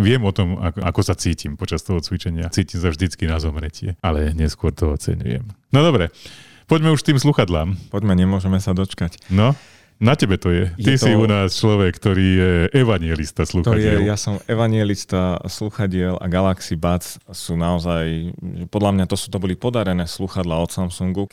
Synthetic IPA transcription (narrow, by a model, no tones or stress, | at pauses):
ʋɪɛmɔt̪ɔma̰ka̰kɔsat͡siːcimpɔt͡ʃast̪ɔɦɔt͡sʋit͡ʃɛɲɪat͡siːcims̬avʒd̪it͡skinazɔmɾɛcɪɛ̰alɛɲɛskʊɔɾt̪ɔɔt͡sɛ̰ɲṵjɛ̰mnɔd̪ɔbɾɛ | pɔɟmɛuʃkt̪iːmsluxad̪laːmpɔɟmɛɲɛmʊɔʒɛmɛsad̪ɔt͡ʃkacnɔ | nacɛbɛt̪ɔjɛj̪isiunaːst͡ʃlɔʋɛkːt̪ɔɾiːjɛʔɛʋaɲɪɛlist̪aslut̪ɔajɛɪɛljasɔmɛʋaɲɪɛlist̪asluxaɟɪɛla̰ɡalaksibat͡ssuːnaɔzajʒɛpɔd̪lamɲat̪ɔsu̥t̪ɔbɔlipɔd̪aɾɛnɛːsluxad̪laːɔt̪samsuŋɡu